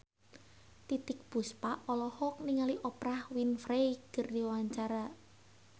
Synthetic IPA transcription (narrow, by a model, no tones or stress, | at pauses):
t̪it̪ɪk̚b̥uspaʔɔlɔhɔk̚niŋaliʔɔpɾahwinfɾejkərdiwaɲt͡ʃaɾa